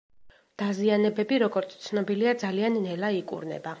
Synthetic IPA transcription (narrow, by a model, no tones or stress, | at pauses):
d̪̥azianɛbɛbiɾɔɡɔɾt̪sʰt̪sʰnɔbiliad̪zalianːɛlaikʼṵɾnɛ̰ba